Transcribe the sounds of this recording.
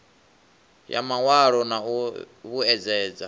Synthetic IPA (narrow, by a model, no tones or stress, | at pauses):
ja̰mawaɺɔnau | βuɛd͡zɛːd͡za